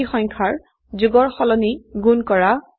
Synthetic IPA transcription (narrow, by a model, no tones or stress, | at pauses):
ixɔŋkʰaɹ | zuɡɔɹxɔlɔniɡunkɔɹa